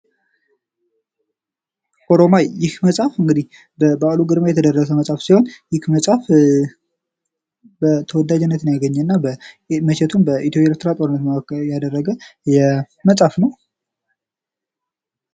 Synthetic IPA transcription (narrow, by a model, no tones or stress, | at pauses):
ʔoɾomajɪhməsʼafɨŋɡɨd̪ih | bəbaluɡɨd̪majɛt̪ʰəd̪ərːəs̬əməsʼafsiho̞njɪkməsʼaf | bət̪ʰəwɔd̪ːad͡ʒɛnːət̪ɨnjaɡəɲːɛnːabə | məʃɛt̪ʰumbəʔit̪ʰjopʼaeeɾt̪ʰɾat̪ʼo̞ɾɨnːət̪kjad̪ərːəɡəjɛ | məsʼafnəw